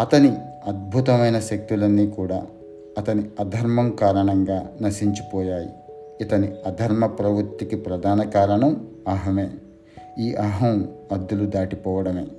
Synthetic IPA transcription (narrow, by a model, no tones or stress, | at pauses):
ɐt̪ɐni | ɐd̪̚bʱut̪ɐmɐjnɐʃɐk̚t̪ulɐnːiːkuːɽaː | ɐt̪ɐniɐd̪ʱɐɾmɐmkaːɾɐɳɐŋɡaːnɐʃiɲt͡ʃi̥pɔːjaːjḭː | t̪ɐniɐd̪ʱɐɾmɐpɾɐʋuɾt̪ːikipɾɐd̪ʱaːnɐkaːɾɐɳɐm | ɐɦɐmeː | iːʔɐɦɐmɐd̪ːulud̪aːʈipɔːʋɐɽɐme̞̰ː